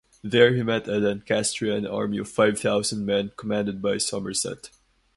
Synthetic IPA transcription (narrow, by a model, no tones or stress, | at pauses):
ðɛɹhimɛt̪əlæ̃nkæst̪ɹiãna̰ɹmiɔv̥faɪvθaʊsə̃ndmɛ̃nkʰɔmæ̃ndəd̪̚bajsʌməɹsɛ̰t̪